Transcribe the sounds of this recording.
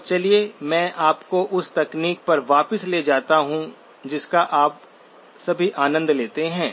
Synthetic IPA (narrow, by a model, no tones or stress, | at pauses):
t͡ʃɐliemɛ̃ːʔaːpkoʔʊst̪ɐkniːk̚pɐɾʋaːpəsleːd͡ʒaːt̪aɦũ | d͡ʒɪskaʔaːp̚ | sɐbʱiʔaːnə̃nd̪leːt̪eɦɛ̃ː